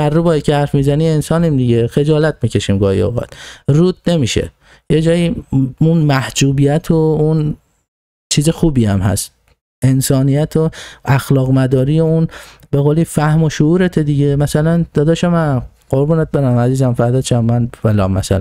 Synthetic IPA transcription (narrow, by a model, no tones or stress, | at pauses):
æɾːubɒːicʰehæɾfmiːzæniːensɒːnimd̪iɟexe̞d͡ʒɒːlæt̪̚miːcʰe̞ʃimɡɒːhḭo̰ɣɒ̰t̪ruːt̪̚ne̞miːʃḛ | jed͡ʒɒːjiːunmæhd͡ʒuːbijæt̪ʰoun | t͡ʃʰiːzexuːbiːæmhæ̰st̪ | e̞nsɒːnijæt̪ʰoæxlɒːɣmæd̪ɒːɾiːjeunbeɣoːliːfæhmoʃouːɾet̪ʰed̪iɟemæsælænd̪̥ɒːd̪ʃæmæ | ɢ̥oɾbuːnet̪̚beɾæmæziːzæmfæɾd̪ɒːʃæmːænvælɒ̰mːæ̰sæ̰læ̰